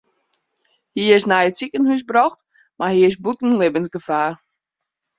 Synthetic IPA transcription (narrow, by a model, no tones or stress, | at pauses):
hiɪsnɛjətsikənhys̬brɔxt | marhiɪs̬butn̩lɪbənsɡəfaːr